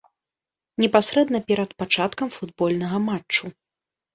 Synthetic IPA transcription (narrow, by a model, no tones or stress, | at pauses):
nʲɛpasɾɛd̪nɐpʲɛɾɐt̪pat͡ʂat̪kɐmfud̪bɔlʲnɐɣɐmaːu